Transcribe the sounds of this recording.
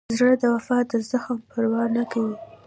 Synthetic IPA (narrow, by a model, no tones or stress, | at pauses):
zɾəd̪əwafɑd̪əzaxmpəɾwɑnakawi